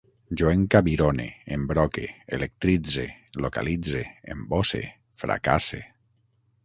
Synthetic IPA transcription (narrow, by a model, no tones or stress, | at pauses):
d͡ʒoeŋkaβiɾonḛembɾɔkeelek̚t̪ɾid͡zeloka̰lid͡zeḛmbosḛ | fɾa̰ka̰sḛ